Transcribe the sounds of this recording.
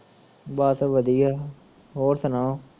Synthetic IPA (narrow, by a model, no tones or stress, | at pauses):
baːt̪ʋəd̪ia | ɦoːɾt̪ʰənaː